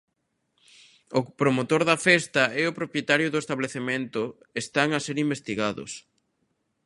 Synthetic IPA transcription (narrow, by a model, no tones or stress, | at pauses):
ʊpɾomot̪oɾðɐfɛst̪ɐɛʊpɾopjet̪aɾjʊðʊest̪aβleθemẽnt̪ʊ | est̪aŋɐseɾimbest̪iɣaðʊ̰s